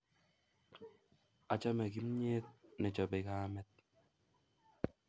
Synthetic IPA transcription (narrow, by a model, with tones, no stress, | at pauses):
a˨t͡ʃa˦mɛ˨ki˦mɲeː˦t̚nɛ˨t͡ʃɔ˨bɛ˨kaː˦mɛ˦t̚